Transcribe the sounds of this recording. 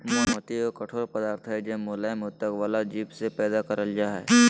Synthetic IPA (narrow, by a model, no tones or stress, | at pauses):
mamət̪iokɐʈʰoːɾpɐd̪aːɾt̪ʰɦɛd͡ʒẽːmolamʊt̪ːəkʋaːlad͡ʒiːpsepɛːd̪akɐɾəld͡ʒaːɦɛː